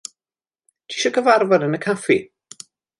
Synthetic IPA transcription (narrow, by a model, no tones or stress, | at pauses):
d̥ʰi̥ʃɔkəvaɾvadənəkʰafi